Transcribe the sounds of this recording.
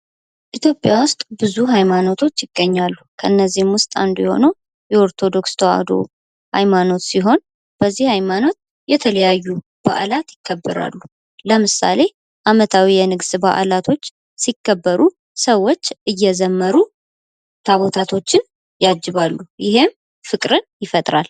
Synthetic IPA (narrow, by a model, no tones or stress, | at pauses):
ʔit̪ʰjo̞pʼjawʊst̪ʼbɨzuɦajmano̞t̪ʰo̞t͡ʃːjɪɡ̥ːəɲːalːukʰəʔɨnːəzːihmwʊst̪ʼa̰nd̪ujɛho̞̰nəw | jɛo̞ɾt̪ʰo̞d̪o̞kst̪ʰoa̰d̪o̰ | ha̰jmano̞t̪siɦo̞n | b̥əzːihhajmano̞t̪̚ | jɛt̪ʰələjajːu | b̥a̰ʔlat̪jɪkʰːəbːɨɾa̰lːu | ləmɨsa̰le̞ | ʔamət̪ʰawijɛnɨɡsba̰ʔlat̪ʰo̞t͡ʃː | sikːəbːəɾu | səwːo̞t͡ʃːɨjːɛzəmːəɾu | t̪ʰaβo̞t̪ʰat̪ʰo̞t͡ʃːɪn | jad͡ʒːɪβalːujɪɦe̞m | fɨkʼɾɨnjɪfət̪ʼɾa̰l